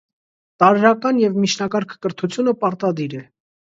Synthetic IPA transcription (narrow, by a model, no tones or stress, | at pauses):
t̪ɑɾɾɑkɑnjɛvmit͡ʃʰnɑkɑɾkʰkəɾt̪ʰut͡sʰjunəpɑɾt̪ɑd̪iɾɛ